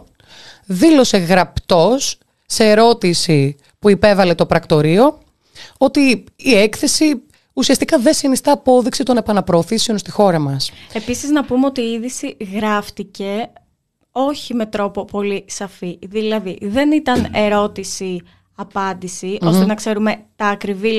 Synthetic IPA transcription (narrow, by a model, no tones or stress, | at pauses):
ðilo̞se̞ɣɾɐpt̪o̞sː | e̞ːɾo̞t̪isi | puipe̞vɐle̞t̪o̞pɾɐkt̪o̞ɾio̞ | o̞t̪iːekθe̞si | usiɐst̪ikɐðesinist̪ɐːpo̞ðiksit̪o̞ne̞pɐnɐpɾo̞ːθisio̞nst̪ixo̞ɾɐmɐse̞pisiznɐpumeo̞t̪iːiðisiɣɾɐft̪ice̞ | o̞çime̞t̪ɾo̞po̞po̞lisɐfiðilɐðiðe̞nit̪ɐne̞ɾo̞t̪isi | ɐpɐnd̪isio̞st̪enɐkse̞ɾume̞t̪ɐːkɾivi